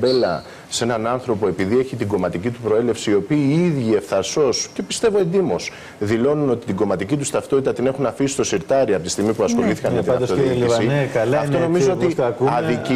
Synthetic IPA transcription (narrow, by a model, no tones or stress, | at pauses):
be̞lɐ | se̞nɐnɐnθɾo̞poe̞piðie̞çit̪iɡo̞mɐt̪icit̪upɾo̞e̞le̞fsiiːo̞piːiðʝie̞fθɐɾso̞sce̞pi̥st̪e̞vo̞e̞nd̪imo̞s | ðilo̞nuno̞t̪i̥t̪iɡo̞mɐt̪icit̪ust̪ɐft̪o̞t̪it̪ɐt̪ine̞xunɐfisi̥st̪o̞siɾt̪ɐɾiɐpot̪ist̪iɣmipuɐsxo̞liθi̥kɐnmet̪iɐft̪oiisikɐɐft̪ono̞mizzoot̪ikɐðic